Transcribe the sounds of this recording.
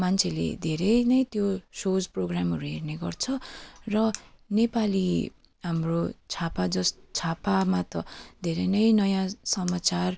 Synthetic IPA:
mant͡sʰelḛd̪ʱeɾʌjnʌjt̪josod͡zproɡramʌɾuɦerneɡʌrt͡sʰʌrʌnepali | ɦamrot͡sʰapad͡zʌst͡sʰapamat̪ʌd̪ʱeɾʌnʌjnʌjãsʌmat͡sar

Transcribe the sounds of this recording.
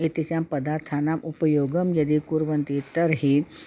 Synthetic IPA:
it̪it͡ʃampɐd̪aːɾt̪ʰaːnamʔupəjoːɡəmjɐd̪ikuɾʋənt̪it̪əɾɦi

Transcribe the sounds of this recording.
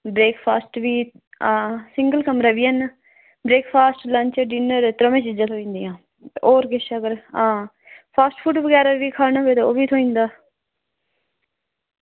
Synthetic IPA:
bɾeːkʰpʰaːsʈʋiː | sɪ̃ŋɡəlkəmɾaːʋiːən | bɾeːkʰpʰaːsʈlə̃ɲt͡ʃəɖiːnəɾt̪ɾəmẽːt͡ʃɪd͡ʒãːt̪ʰoːĩːnd̪ijãː | ʔoːɾɡɪʃəɡəɾãː | pʰaːsʈpʰuːʈʋəɡɛːɾaːʋiːkʰaːnaːʋeːt̪eoːʋiːt̪ʰoːĩːnd̪aː

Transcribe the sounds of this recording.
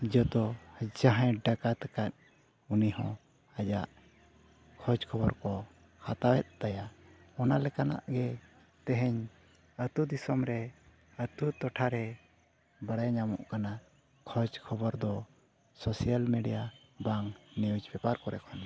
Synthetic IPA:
d͡ʒɔt̪ɔd͡ʒaɦãjɖakat̪akat̪̚ | unihɔ̃ | əd͡ʒaʔ | kʰɔd͡ʒkʰɔbɔɾkɔ | hat̪awɛt̪̚t̪aja | ɔnalɛkana̰ʔɡɛ | t̪ɛɦɛɲ | ət̪ud̪isɔmɾɛ | ət̪ut̪ɔʈʰaɾɛ | baɽajɲamɔ̰ʔkana | kʰɔd͡ʒkʰɔbɔɾd̪ɔ | sɔsijalmeɖija | baŋnɛud͡ʒbɛpaɾkɔɾɛkʰɔna

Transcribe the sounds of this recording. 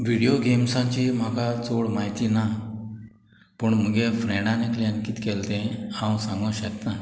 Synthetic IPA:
ʋiɽijoɡemsãɲt͡ɕim̤akat͡soɽmajt̪ina | pəɳm̤əɡefɾɛ̃ɳɖanekləɳkiːt̪kɛlt̪ẽhãwsãŋɡə̃ɕət̪na

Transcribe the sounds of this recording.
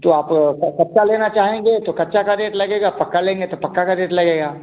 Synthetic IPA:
t̪oaːpkkɐtːt͡ʃaleːnat͡ʃaːɦẽːŋ̆ɡeːt̪okɐtːʃakad̪eːʈlɐɡeːɡapɐkːalẽːŋɡet̪opɐkːakad̪eːʈlɐɡeːɡaː

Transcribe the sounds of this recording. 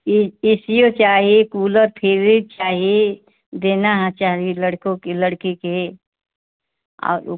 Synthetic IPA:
ɪsijot͡ʃaːɦiekuːləɾpʰɪɾit͡ʃaːɦie | d̪eːnaɦt͡ʃaːɾiiləɽkõkeləɽkike | ɔ̰ːɾ̰

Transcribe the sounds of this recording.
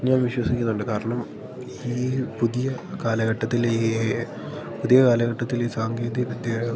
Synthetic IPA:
ɲaːnʋiɕwɐsikʲːunːuɳɖɨkaːɾɐɳɐm | iːpuðijɐkaːlɐɣɐʈːɐt̪ːili | puðijɐkaːlɐɣɐʈːɐt̪ːiliːsaːŋɡe̞ːd̪iɐʋɐd̪jɐ

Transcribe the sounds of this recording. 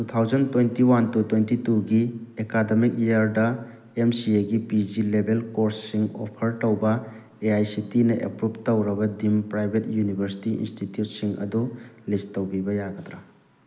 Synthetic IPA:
tutʰawd͡ʒɐntwejntiwantutwejntituɡiekademik̚jaɾdɐ | emsieɡipid͡ʒilebʱelkoɾsːiŋo̰pʰɐɾtɐwbɐ | eajsitinɐʔḛpɾup̚tɐwɾɐbɐdimpɾajbʱet̚junibʱɐɾsi̥tiḭnstitjut̚siŋɐ̰dulistɐwbibɐjaɡɐtɾa

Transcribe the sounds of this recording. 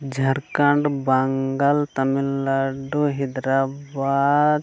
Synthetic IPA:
d͡ʒʱɐɾkɐɳɖbɐŋɡalt̪ɐmilaɖuɦid̪ɾabad̪

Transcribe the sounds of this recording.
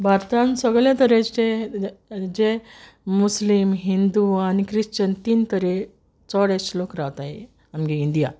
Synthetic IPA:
bʱaɾt̪ansəɡɭjãt̪əɾee | d͡ʑe | muslimɦind̪uanikɾist͡ɕənt̪iːnt̪əɾe | t͡sɔɽeslokɾaʋt̪ae | amɡiind̪ija̰

